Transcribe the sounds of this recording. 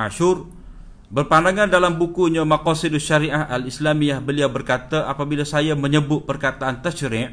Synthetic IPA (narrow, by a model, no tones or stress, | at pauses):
aʃʊr | bərpandaŋandalambukuɲamakɔsidaʃaɾiʔaɦalislamijahbəliawbərkat̪aʔapabilasajaməɲəbʊt̪̚pərkat̪aːnt̪əʃəɾɪʔ